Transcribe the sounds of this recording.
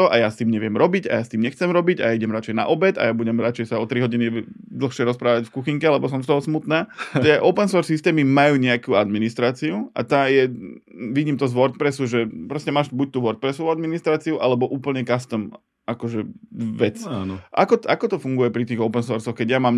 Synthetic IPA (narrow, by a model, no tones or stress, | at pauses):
t̪ɔʔajast̪iːmɲɛʋɪɛmɾɔbiɟa̰jast̪iːmɲɛxt͡sɛmɾɔbiɟa̰aiɟɛmɾat͡ʃɛjna̰ʔɔbɛt̪a̰jabuɟɛmɾat͡ʃɛjsaɔt̪ɾiɦɔɟinid̪l̩xʃɪɛɾɔspɾaːʋacfkuxiŋkɛalɛbɔsɔmst̪ɔɦɔsmut̪naːt̪ɪɛʔɔʊpɛnsɔːɾsist̪ɛːmimajuːɲɛakuːad̪minist̪ɾaːt͡siuʔa̰t̪aːjɛ | ʋiɟiːmt̪ɔzʋɔɾt̪̚pɾɛsuʒɛpɾɔscɛmaːʃbuc̚t̪uːʋɔɾt̪̚pɾɛsɔʋuad̪minist̪ɾaːt͡siuʔalɛbɔʔuːpl̩ɲɛkast̪əm | ʔakɔʒɛʋɛt͡sanʔa̰kɔakɔt̪ɔfuŋɡujɛpɾit̪iːɣɔʊpɛnsɔɾsɔxkɛɟjamaːm